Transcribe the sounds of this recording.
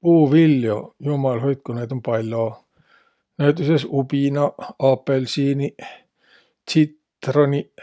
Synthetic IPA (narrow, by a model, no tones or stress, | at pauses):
puːʋilːjo̰jumɑlɦojt̪̚kuned̪ompɑlʲːo | næyt̪ːysesupinɑɑpːelsiːni | t̪sit̪ | roni